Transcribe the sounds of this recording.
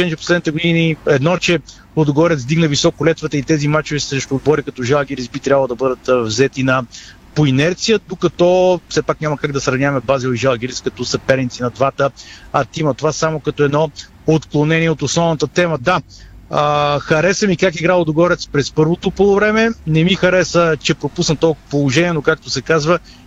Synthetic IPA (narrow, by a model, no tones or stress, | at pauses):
ɛnt͡ʃɛpo̥slɛd̪nit̪ɛɡʊd̪iniɛd̪nɔt͡ʃɛ | lod̪ʊɡɔɾɛt̪sd̪iɡnəvisɔkʊlɛt̪vət̪əit̪ɛzimat͡ʃovisɾɛʃt̪ʊːd̪̚bɔɾikɐt̪ɔʒalˠɡɛɾisbit̪ɾʲabɐlˠd̪ɐbɤd̪ət̪vzɛt̪inɐ | poinɛɾt̪sijəd̪okɐt̪ɔfsɛpakɲʲamɐkaɡ̚d̪ɐsɾɐvnʲavɐmɛbazilˠiʒalˠɡ̟ɛɾiskɐt̪ɔsɐpɛɾnit̪sinɐd̪vat̪əɐt̪imɐt̪ovasamokɐt̪ɔɛd̪nɔ | ot̪klˠonɛniɛot̪osnɔvnət̪ət̪ɛməd̪a | əxɐɾɛsɛmikakiɡɾalˠod̪oɡɔɾɛt̪spɾɛspɤɾvot̪ʊpəlˠovɾɛmɛnɛmixɐɾɛsət͡ʃɛpɾopusnət̪ɔlˠkopolˠoʒɛniɛnokak̚t̪osɛkazvə